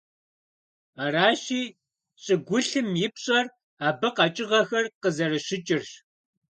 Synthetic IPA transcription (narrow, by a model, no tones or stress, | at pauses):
aɾaːɕiː | ɕʼɨɡʷʊɬɨmjɪpɕʼɐr | aːbɐqɑt͡ʃʼɪʁɐxɐrqəzɐrɨɕɪt͡ʃʼɪrɕ